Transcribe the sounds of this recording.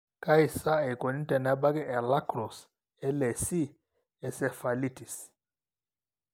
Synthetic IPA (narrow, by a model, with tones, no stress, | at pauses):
ka˦i˨sa˦ɛ˨kɔ˨ni˦tɛ˨na˦ba˦ɡɛ˦ʔɛ˨la˦kɾɔ˨s | ɛ˦lɛ˨si˦ | ɛ˨sɛ˨fa˨li˦ti˨s